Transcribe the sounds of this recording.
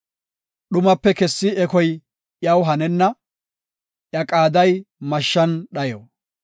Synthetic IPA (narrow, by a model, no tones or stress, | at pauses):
ɗʊmɐpːɛkɛsːɪɛkɔj | ʔjɐwɦɐnɛnːɐ | ʔjɐkʼaːd̪ɐjmɐʃːɐnɗɐjo̰ː